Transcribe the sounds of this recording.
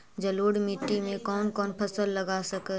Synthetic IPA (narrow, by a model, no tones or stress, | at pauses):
d͡ʒəloːɽmiʈːimẽkɔːnkɔːnpʰəsəlːəɡasəkɛ